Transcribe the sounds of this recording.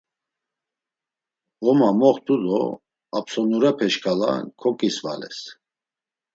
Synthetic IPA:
ɔmamɔχt̪ulɔ | apsɔnuɾɛpʰɛʃkʰʼala̰kʰɔkʼisva̰lɛ̰s

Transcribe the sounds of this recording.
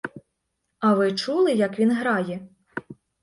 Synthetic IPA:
ɐʋɪt͡ʃulˠɪjɐkʋʲinɦɾɑjɛ

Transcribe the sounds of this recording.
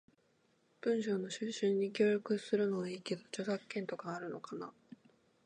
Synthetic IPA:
b̥ɯ̟̃ɰ̃ɕo̞ːno̞ɕɨːɕɨ̃ɲ̟ːikʲo̞ːɾʲokɯ̟sɨɾɯ̟no̞βaiːke̞d̪o̞t͡ɕo̞zakːẽ̞nt̪o̞kaːɾɯ̟no̞̰kana

